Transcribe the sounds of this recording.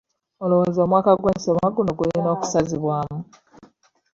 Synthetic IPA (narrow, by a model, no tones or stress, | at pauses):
olowozo̞ːmwaːkaɡweːnsomaɡunoɡuɾino̞ːku̥saziβwaːmu